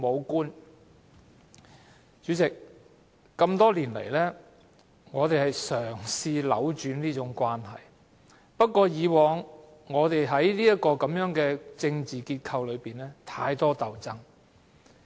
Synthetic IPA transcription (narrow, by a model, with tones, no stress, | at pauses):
mo˨˧wkuː˥n | t͡ʃyː˨˥t͡sɪ˨k̚ː | ɐ˧mt̪ɔː˥liː˨˩nlḛ˨˩jlɛː˥ | ŋɔː˨˧t̪e˨jhɐ˨jsœː˨˩ŋsiː˧lɐ̰˨˥wt͡ʃyː˨˥nliː˥t͡ʃʊ˨˥ŋkʷwaː˥nɦɐ̰˨j | pɐ˥t̚kːʷɔː˧jiː˨˧wɔː˨˧ŋ | ŋɔː˨˧t̪e˨jɦɐ˨˥jliː˥jɐ˥t̚kɔː˧kɐ˨˥mjœː˨˥ŋkɛː˧t͡sɪ˧ŋt͡siː˨kiː˧t̚kʰɐ˧wlɵ˨˧ɥpiː˨nlɛː˥t̪ʰa̰ː˧jt̪ɔː˥t̪ɐ˨˩wt͡sɐ˥ŋ